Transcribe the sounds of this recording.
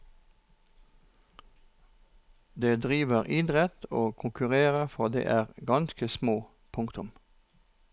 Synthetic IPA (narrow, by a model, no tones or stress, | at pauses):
d̪eːd̪ʁiːʋəʁʔɪd̪ʁɛt̪oːkʰʊŋkʉʁeːʁəfɔʁd̪ḛːʔæːʁɡɑnskəsmoː | pʰʊŋkt̪ʊm